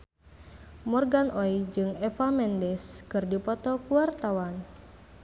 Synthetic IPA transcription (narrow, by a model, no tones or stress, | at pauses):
mɔrɡanʔoid͡ʒɨŋɛfamɛndɛskɨrdipɔt̪ɔkuart̪awan